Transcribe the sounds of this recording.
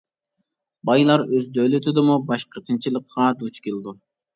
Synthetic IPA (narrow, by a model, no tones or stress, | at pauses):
bɑjlˠɑɾøzd̪ølyt̪ʰɪd̪ɪmubɑʃqət̪ʰɨnt͡ʃʰilˠəqʰːɑd̪ut͡ʃkʲelˠd̪u